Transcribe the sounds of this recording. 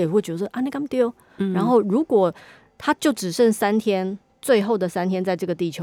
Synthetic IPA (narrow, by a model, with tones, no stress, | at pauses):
jɛ˨˩xwe˥˩ɪt͡ɕɥɛ˧˥d̪ə˧ʂʔa˥ne˥˩ka˥mt̪i˥˦ | ɻa˧˥nxo˥˩ʊɻu˧˥kwɔ˨˩ | t̪ʰa˥t͡ɕjo˥˩ʊʈ͡ʂɻ̩˨˩ʂə˥˧˩ŋsa˦nt̪ʰjɛ˥n | t͡swe˥˧ɪxo˥˩ʊd̪ə˩sa˥˦nt̪ʰjɛ˥nt͡sa˥˧ɪʈ͡ʂɤ˥˩ɡə˩t̪i˥˩t͡ɕʰjo˧˦